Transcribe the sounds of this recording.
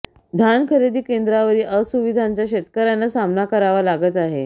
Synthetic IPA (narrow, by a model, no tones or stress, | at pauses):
d̪ʱankʰəɾed̪ʱiːkend̪ɾaʋəɾiːʔəsuʋid̪ʱaɲt͡ɕjaɕet̪kəɾjanːasamnakəɾaʋalaɡət̪aɦḛ